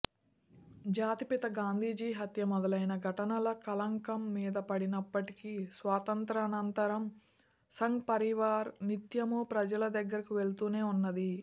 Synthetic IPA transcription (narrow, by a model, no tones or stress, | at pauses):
d͡ʒaːt̪ipit̪ɐɡaːnd̪ʱiːd͡ʒiːɦɐt̪jɐmɔd̪ɐlɐjnɐɡʱɐʈɐnɐlɐkɐlɐŋkɐmːiːd̪ɐpɐɽinɐpːɐʈikisʋaːt̪ɐnt̪ɾɐnɐnt̪ɐɾɐm | sɐŋɡpɐɾiʋaːɾnit̪jɐmuːpɾɐd͡ʒɐlɐd̪ɐɡːɐɾɐkuʋe̞ɭt̪uːneːunːɐd̪i